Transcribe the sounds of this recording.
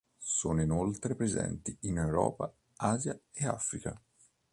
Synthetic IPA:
soːnoinolt̪ɾepɾezɛ̰nt̪iinewɾɔ̰ːpa | aːzjaea̰fɾika

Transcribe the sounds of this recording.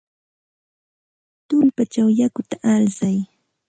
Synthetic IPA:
t̪ʊmpat͡ʃawjakʊt̪aʔaɾsaj

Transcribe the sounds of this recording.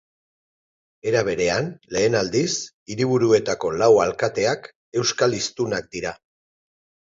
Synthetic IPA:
e̞ɾaβ̞e̞ɾe̞anle̞ːnald̪is | iɾiβ̞uɾue̞t̪ako̞lawalkat̪e̞ak | e̞wskalist̪unak̚d̪iɾa

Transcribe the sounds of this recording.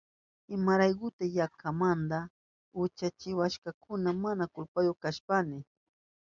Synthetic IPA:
ɪmaɾajkʊt̪ajakʰamand̪a | ʊt͡ʃat͡ʃɪwaʃkakʰʊnamanakʊlpajokaʃpanɪ

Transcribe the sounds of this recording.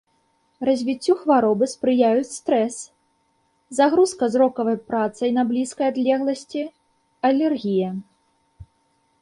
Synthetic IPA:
rɐzʲvʲit͡sʲːuxvaɾɔbɨspɾɨjajut͡sʲst̪ɾɛs | zaɣɾuskɐzɾɔkɐvɐjpɾat̪sɐjnɐblʲiskɐjad̪lʲɛɣlˠɐsʲt͡sʲi | ɐlʲɛrɣʲijɐ

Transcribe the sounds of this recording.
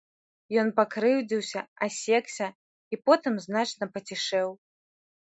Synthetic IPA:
jɔnpakɾɨwd͡zʲiwsʲɐasʲɛksʲɐ | ipɔt̪ɨmznat͡ʂnɐpɐt͡sʲiʂɛw

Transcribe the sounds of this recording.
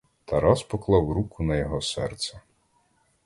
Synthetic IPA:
t̪ʰɐɾɑspɔklˠɑwɾukʰʊnɐjɔɦɔsɛrt̪sɛ

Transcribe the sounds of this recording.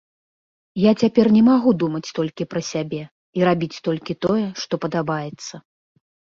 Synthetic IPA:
jat͡sʲapʲɛrnʲɛmaɣud̪umɐt͡sʲt̪ɔlʲkʲipɾɐsʲabʲɛ | iɾabʲit͡sʲt̪ɔlʲkʲit̪ɔjɛʂt̪ɔpɐd̪abajɛt̪sːɐ

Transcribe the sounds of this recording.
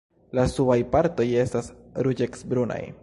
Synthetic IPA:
lasuajpaɾt̪o̞je̞stasɾud͡ʒeksbɾuna̰j

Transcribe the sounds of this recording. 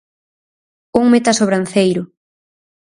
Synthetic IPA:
uŋmet̪asoβɾanθejɾʊ

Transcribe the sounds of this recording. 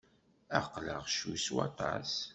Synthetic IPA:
æqːləʁʃuswɑ̰t̪ˤɑ̰s

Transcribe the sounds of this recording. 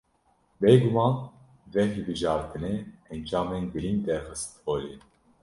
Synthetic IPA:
beːɡumɑːn | vɛɦɨlbɨʒɑːɾt̪ʰɨneɛnd͡ʒɑːmenɡɨɾind̪ɛɾxɨst̪oːli

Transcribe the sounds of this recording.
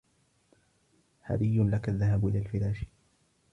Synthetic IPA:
ha̰bɪjːʊnlakaðːaɦabʔɪlaːlfɪɾaːʃ

